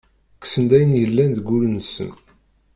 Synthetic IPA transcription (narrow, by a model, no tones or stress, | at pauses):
ksənd̪æjənjəlːænd̪ɡːʊlnsə̰n